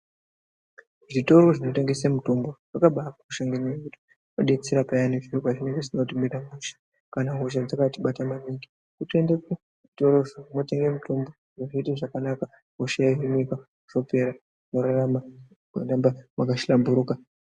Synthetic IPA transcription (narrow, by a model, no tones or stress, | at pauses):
ʐito̞ɾo̞ʐino̞te̞ŋɡe̞semutomboʐ̥akaɓakakuʃeŋɡeɲiekuti̥ | oɗet͡siɾapajaneʐiokaʐine̞ŋɡe̞ʐinotimiɾamuʃḁ | kanaɦuʃad͡zakatiɓatamaniŋɡi | kutendee | ʐito̞ɾoʐomote̞ŋɡemutʰombo | ʐaʐiiteʐakanaka | ɦuʃejaɦimika | uʐ̥o̞pe̞ɾa | noɾarama | ndambamakaʃilambuɾuːka